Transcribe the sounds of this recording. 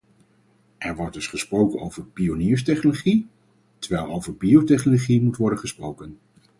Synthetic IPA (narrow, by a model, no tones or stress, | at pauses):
ʔɛɹʋɔɹdɵsχəsprowkəno̰wvəɹpioniːɹs̬tɛχnoloχi | təɹʋɛjlˠowvəɹbiowtɛχnoloχimutʋɔɹdənχəsprowkən